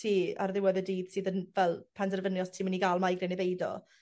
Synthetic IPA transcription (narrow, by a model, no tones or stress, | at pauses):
tʰiːa̰rðɪwɛðɛdiːd̥sɨːðənvɛlˠpʰandɛrvənjɔstʰiːməniɡaːlˠmajɡɾɛnebejdɔ̰